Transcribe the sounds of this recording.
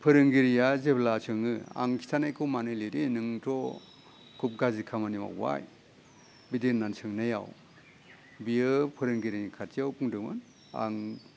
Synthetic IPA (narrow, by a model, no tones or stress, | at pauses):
pʰɯɾɯŋɡiɾijazeblasɯŋɯa̰ŋkʰi̥tʰanajkʰɯmanɯjliɾinɯŋtʰɔ | kʰup̚ɡazikʰamanima̰kwa̰j | bidinːansʰɯŋnaja̰w | biɯpʰɯɾɯŋɡiɾinikʰatiawpʰuŋdɯmɯ̰n | a̰ŋ